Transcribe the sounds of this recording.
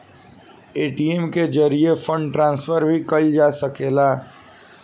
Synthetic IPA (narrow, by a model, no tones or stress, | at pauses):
eːʈiemked͡ʒəɾiefə̃ɳɖʈɾãːnsfəɾbʱikɐld͡ʒaːsəkeːlaː